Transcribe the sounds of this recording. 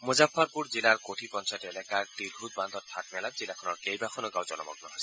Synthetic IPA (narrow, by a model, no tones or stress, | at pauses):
mozapʰːaɹpuɹzilaɹkotʰipɔnsɔtɛlɛkaɹdiɹɦut̪̚band̪ʱɔtʰːat̚mɛlat̚zilakʰɔnɔɹkejbakʰɔnɔɡawzɔlɔ̰mɔ̰k̚nɔɦɔjs